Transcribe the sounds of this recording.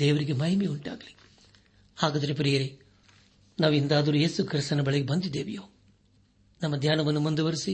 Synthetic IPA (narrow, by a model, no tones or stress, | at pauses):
d̪eːʋɐɾiɡemɐjɐmeuɳʈa̰ːɡɐli̥ | aːɡaːd̪ɐɾep̬ɐɾijɐɾe | naːʋind̪aːd̪ɐɾujeːsukɾist̪ɐnɐbɐɭɐɡebɐnd̪id̪eːʋijoː | nɐmːɐd̪ʱjaːnɐʋɐnːumund̪uʋɐɾisi